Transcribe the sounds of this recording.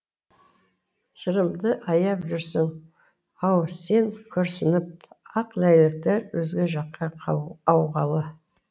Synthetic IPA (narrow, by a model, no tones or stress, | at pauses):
ʒəɾəmd̪əʔɑjɑpʒʏɾsɪŋ | ɑwse̞ŋkʲʰɵɾsɪnɪp̚ɑqlæjlɪk̚t̪eɾwɵzɡʲe̞ʒɑqːɑɑwʁɑlˠə